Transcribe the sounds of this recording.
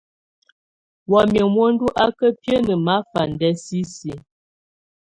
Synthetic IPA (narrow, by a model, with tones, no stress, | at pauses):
wɔ˨mjə˨mwo˦n˦du˦ʔa˦kə˦pjə˦nə˨ma˨˦fa˨n˨dɛ˦si˦si˨˦